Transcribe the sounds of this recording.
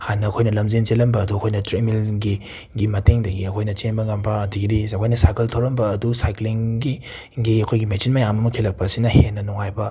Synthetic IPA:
hanːɐːkʰojnɐlɐmzent͡ʃelɐmbɐːduɐkʰojnɐtɾemilɡi | ɡimɐteŋdɐɡiɐkʰojnɐt͡ʃenbɐŋampʰaɐdiɡidizakʰojnɐsajkɐltʰawɾɐmbɐɐdusajkliŋɡi | ɡiɐkʰojɡimet͡ʃinmɐjamɐmɐkʰelɐk̚pɐːsinɐhenːɐnɔŋajbɐ

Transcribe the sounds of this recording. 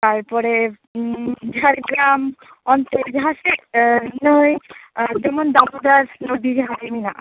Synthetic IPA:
t̪aɾpɔɾe | d͡ʒʱaɾɡlam | ɔnt̪ed͡ʒɦaʃenojd͡ʒɛmond̪abud̪aɾnod̪id͡ʒɦaɾeninaʔ

